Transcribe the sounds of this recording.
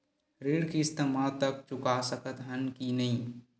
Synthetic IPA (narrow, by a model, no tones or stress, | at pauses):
ɾeːɽkiɪst̪əmaːt̪ək̚t͡ʃʊkasəkət̪ɦənkinəɦĩ